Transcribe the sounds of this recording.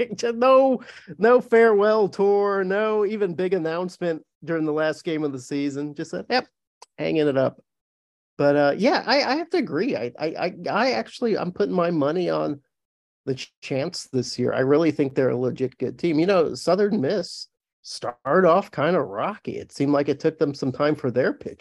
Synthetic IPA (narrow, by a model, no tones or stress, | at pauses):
d͡ʒʌnoʊnoʊfɛɹwɛlˠtʰɔɹnoʊivɨ̃nbɪɡɨnãʊ̃nsmɨ̃n | d̥ʊɹɪ̃ŋðəlæst̚ɡ̥ẽɪ̃mʌvðəsizɨ̃nd͡ʒʌstsɛd̚jɛp̚ | hæ̰̃ŋɪ̃ŋɨɾʌp̚ | b̥ʌɾʌjæʔa̰ɪa̰ɪhæftɨɨɡɹia̰ɪʔa̰ɪʔa̰ɪaɪæk̚t͡ʃʉl̩ˠiã̰ɪ̃mpʰʊɾɪ̃ŋmaɪmʌniə̃n | ðɨt͡ʃʰæ̃nsðɪsjɪ̰ɹʔa̰ɪɹɪlˠiθɪ̃ŋk̚ðə˞ɨ̰ləd͡ʒɨt̚ɡ̥ʊ̰d̚tʰĩmjɨnoʊsʌðə̃˞nmɪs | tɑɹɾɔfkʰãɪ̃ndəɹɑkḭɨ̰tsĩmd̥ˡlaɪkɨtʰʊk̚ðə̃msʌ̃mtʰãɪ̃ɱfə˞ðə˞pʰɪ̰t͡ʃ